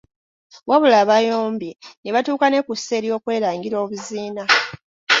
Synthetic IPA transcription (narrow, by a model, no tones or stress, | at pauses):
waβulaːβajoːmbeneβatuːkane̞kuse̞ɾjo̞ːkwe̞ːɾaːŋɡiɾo̞ːβuziːna